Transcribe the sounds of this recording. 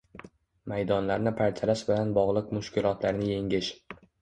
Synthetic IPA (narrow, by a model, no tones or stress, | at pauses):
majd̪ɒnlaɾnɪpʰaɾt̪ʰalaʃbɪlanbɒʁlˠɨq̚mʊʃkʲɪlˠɒt̪laɾnɪje̞ŋʲɪʃ